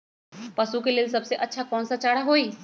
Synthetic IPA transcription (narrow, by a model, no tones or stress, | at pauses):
pɐsukelɪːlsɐbseʔɐtːʃʰakɔːnsat͡ʃaːɽaɦoːiː